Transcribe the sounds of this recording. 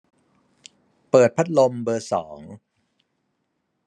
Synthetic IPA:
pɤː˨˩t̪̚pʰa˦˥t̪̚lo˧mbɤː˧sɔː˩˦ŋ

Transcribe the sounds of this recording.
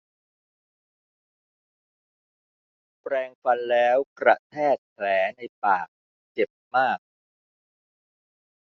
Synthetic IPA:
pɾɛː˧ŋfa˧nlɛː˦˥wkɾa̰˨˩t̪ʰɛː˥˩t̪̚pʰlɛː˩˦na˧jpaː˨˩k̚ | t͡ɕe˨˩p̚maː˥˩k̚

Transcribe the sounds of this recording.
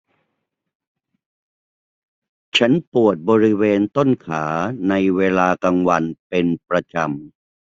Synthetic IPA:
t͡ɕʰa˦˥npu˨˩ət̪̚bɔː˧ɾi˦˥weː˧nt̪o˥˩nkʰaː˩˦na˧jweː˧laː˧ka˧ŋwa˧npe˧npɾa˧t͡ɕa˧m

